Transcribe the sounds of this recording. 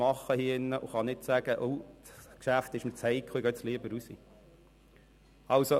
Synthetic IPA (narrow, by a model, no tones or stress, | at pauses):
ɑχːəhiəɪnːəʔʊχɑnɪtsæɡ̥əʔɔwtkʃæftɪʃmɪt͡shɛɪkʰχoiɡœt̪sliəbəɾusḭ | ɑlso